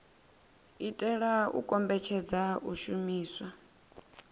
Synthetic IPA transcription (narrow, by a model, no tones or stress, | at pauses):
itʼɛɺaṵkʼɔmbɛt͡ʃʰɛd͡zauʃumiːswa